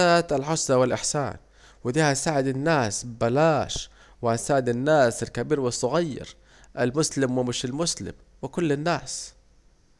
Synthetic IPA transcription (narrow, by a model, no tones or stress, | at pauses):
aːt̪alħʊsˤːɑwɪlʔɪħsa̰ːn | wɪd̪iːhasaːʕɪd̪ɪnːaːsbalaːʃ | wɪhasaːʕɪd̪ɪnːaːsɪlkabiːɾwɪsˤːʊɣajːɪ̰ɾ | ʔalmʊslɪmwɪmɪʃɪlmʊslɪ̰m | wɪkʊlːɪnːaːs